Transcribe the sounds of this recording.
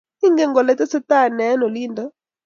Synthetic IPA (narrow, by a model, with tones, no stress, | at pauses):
i˦ŋɡɛ˦ŋɡɔ˨lɛ˨˦tɛ˦sɛ˦ta˦˨nɛ˨˦nɔ˨li˦ndɔ˦